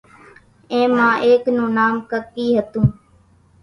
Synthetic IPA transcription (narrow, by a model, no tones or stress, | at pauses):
ẽːmãːʔeːknũːnaːmkəkːiːɦət̪ũː